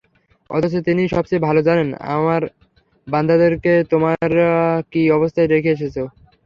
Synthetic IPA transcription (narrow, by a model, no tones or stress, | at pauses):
ɔ̰t̪ʰot͡ɕot̪iniʃɔb̚t͡ɕebʱalod͡ʑanena̰maɾ | band̪ʱad̪eɾket̪omaɾakiɔbost̪ʰaed̪ekʰeeʃ̬et͡ɕʰo